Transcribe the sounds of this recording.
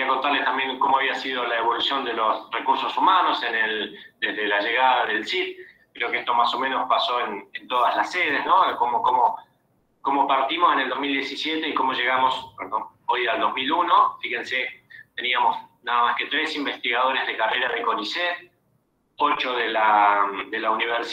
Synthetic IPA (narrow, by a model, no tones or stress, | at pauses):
iako̞nt̪aɾlet̪ambje̞ŋko̞moaβiasið̞o̞laeβo̞lusjo̞nd̪elosrekuɾso̞sumano̞seneld̪ezðelaʒeɣaðaðelsit̪̚ | kɾeokeest̪omaso̞mẽnospaso̞enent̪oðazlaseð̞ezno̞komokomo | komopaɾt̪imoseneld̪oɦmild̪jesisjet̪e̞ikomo̞ʒe̞ɣamo̞swenoojald̪o̞zmiluno̞fixe̞nset̪e̞niamosnaðamaske̞t̪ɾesimbest̪iɣaðo̞ɾezð̞ekareɾaðeko̞niset̪ | ot͡ʃo̞ðelad̪e̞launiβ̞eɾs